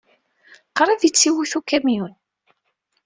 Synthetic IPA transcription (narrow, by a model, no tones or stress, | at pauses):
qɾˤɑðjət͡sːiwiθukæmjun